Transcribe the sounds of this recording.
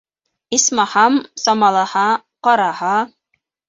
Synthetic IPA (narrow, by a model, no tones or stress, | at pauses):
ismɑhɑmsɑmɑlˠɑhɑ | qɑɾɑhɑ